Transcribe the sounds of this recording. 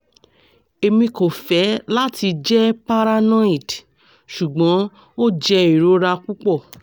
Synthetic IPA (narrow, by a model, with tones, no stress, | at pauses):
e˧mĩ˧ko˨fɛ˨˦la˦ti˧d͡ʒɛ˦pa˦ɾa˧nɔ̃˦i˦˨d | ʃu˨ɡ͡bɔ̃˨˦ | o˦d͡ʒɛ˧i˨ɾo˨˦ɾa˧ku˦k͡pɔ˦˨